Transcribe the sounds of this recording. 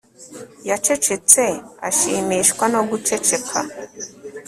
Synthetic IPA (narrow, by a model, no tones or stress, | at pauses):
jat͡ʃet͡ʃet͡sea̰ʃiːmiːʃkwano̞ɡut͡ʃet͡ʃekʰa̰